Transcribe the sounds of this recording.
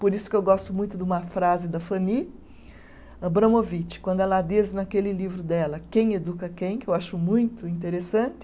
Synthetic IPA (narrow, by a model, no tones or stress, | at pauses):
poɾisʊ̥kɪewɡɔst̪ʊmũj̃t̪ʊd̪ɪũmɐfɾazɪd̪ɐfɐ̃ni | ɐbɾɐ̃movit͡ʃɪ̥kwɐ̃nd̪ʊɛlɐd̪iznɐkelɪlivɾʊd̪ɛlɐkẽj̃ed̪ukɐkẽj̃kɪewaʃʊmũj̃t̪ʊĩnt̪eɾesɐ̃nt̪ɪ̥